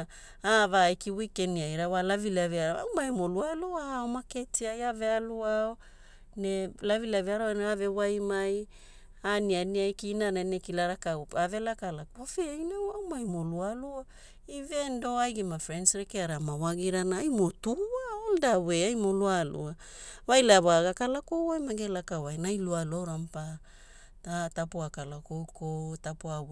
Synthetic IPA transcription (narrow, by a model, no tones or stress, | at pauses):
avajkiwikeniajɾawalavilaveaɾaa̰wmajmolualuaomaketiajavealuao | nelavilaveaɾawaneave̞wajmaj | anianiajkinananekilaɾakawave̞lakalakofejnewawmajmolualua | ivendo̞ajɡemafɾensɾekeaɾamawaɡiɾanaajmotuaoldaweajmo̞lualṵa | wajlaβaaɡakalakowajmaɡelakawajnajlualoɾampa | tatapuakalakowkotapoaw